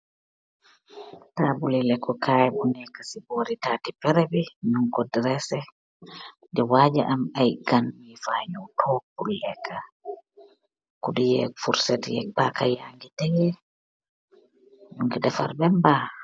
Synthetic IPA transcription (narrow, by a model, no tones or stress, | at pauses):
taːbulilɛkɔkʰaːjɛbunɛkasiboɾitatipɛɾɛbiɲuŋkɔdɾɛsɛ | d͡ʒɛwaːd͡ʒaʔamajɡanduifaɲɔtʰɔp̚ulːɛkʰa | kɔɗujɛ̰fuɾsɛtijɛ̰pakajaŋɡitɛjɛ | ɲuŋɡiɗɛfa̰ɾbɛmba